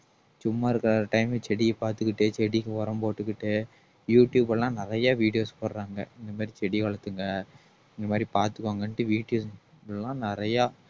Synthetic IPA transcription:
t͡ʃʊmːaːɪɾɯkːɐɾaɐʈɐɪmet͡ʃɛɽɪɐpaːɾt̪ɯkːɪʈːɯt͡ʃɛɽɪkːɯʋɐɾɐmpoːʈːɯkːɪʈːɯ | juːʈjuːbɛlãːnɪɾɐjaːʋiːɽɪjoːspoːɾɾaːŋɡɐ̰ɪnd̪ɐmaːd̪ɾit͡ʃɛɽɪkɐɭɐt̪ːɯŋɡɐ | ɪnd̪ɐmaːd̪ɾipaːɾt̪ɯkːoːŋɡɐɳʈːɯʋiːɽɪjoːs | lãːnɪɾɐjaː

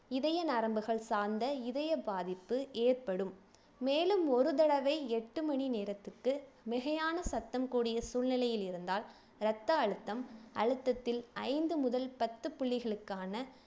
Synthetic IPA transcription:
ɪðɐjɐnɐɾɐmbɯɣɐɭsaːnd̪ɐɪðɐjɐbaːðɪpːɯʔeːrpɐɽɯmː | eːlɯmɔɾɯðɐɭɐʋɐɪɛʈːɯmɐɳineːɾɐt̪ːɯkːɯ | mɪɣɐjaːnɐsɐt̪ːɐmkuːɽɪjɐsuːlnɪlɐjɪlɪɾɯnd̪aːl | ɾɐt̪ːɐɐɻɯt̪ːɐmɐɻɯt̪ːɐt̪ːɪlɐɪnd̪ɯmʊðɐlpɐt̪ːɯpʊɭːɪɣɐɭɯkːaːnɐ

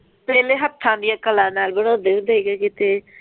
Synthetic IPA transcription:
pɛːleɦəpt̪ʰãːnd̪ijãːkəlãːnaːlbəɽad̪eʋd̪əiɡakɪt̪eː

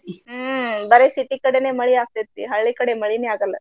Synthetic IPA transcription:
iɦəbəɾesiʈikəɽeneməɭiak̚t̪et̪ːḭːɦəɭɭikəɽeməɭineaɡalə̰

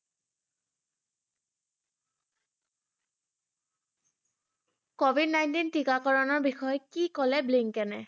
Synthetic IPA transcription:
kobʱidnajntintikakɔɹɔnɔɹbixɔjɔkikɔlɛbliŋkɛnɛ

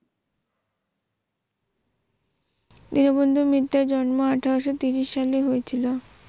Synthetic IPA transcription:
d̪inobond̪ʱumit̪ːaɾd͡ʑɔnmoaʈʰaɛʃot̪iɾiʃːaleɦojet͡ɕʰilo

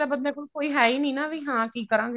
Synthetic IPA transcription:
aːbənd̪ɛ̃ːkolkoːiːɦɛːiːnĩːnaːʋiːɦãːkiːkəɾãːŋɡe

